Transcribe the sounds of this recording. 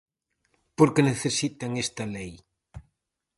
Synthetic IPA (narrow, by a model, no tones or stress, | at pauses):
poɾkeneθesit̪aŋest̪ɐlej